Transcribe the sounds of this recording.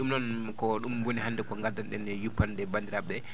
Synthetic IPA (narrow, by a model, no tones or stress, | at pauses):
ɗumnɔn | kɔɗumɡonihandɛkɔŋɡadanɗɛndɛjupːandɛbandiɾabɛ